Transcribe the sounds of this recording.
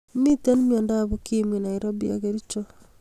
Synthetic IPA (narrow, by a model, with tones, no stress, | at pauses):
mi˦te˦nmjɔ˨nda˦βu˦ki˦mwi˨na˨i˨ɾo˦bi˦a̰ɣe˦ɾi˦t͡ʃo˦